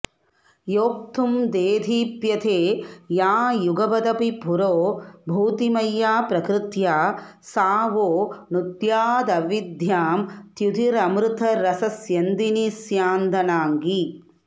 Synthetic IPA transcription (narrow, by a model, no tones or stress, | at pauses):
joːk̚t̪ʰumd̪eːd̪ʱiːpjɐt̪ʰeːjaːjuɡɐbɐd̪ɐpipuɾoːbʱuːt̪imɐjːaːpɾɐkɾɪt̪jaː | saːʋoːnut̪jaːd̪ɐʋid̪jaːmt̪jud̪ʱiɾɐmɾut̪ʰɐɾɐsɐsjɐnd̪inisjaːnd̪ɐnaːŋɡi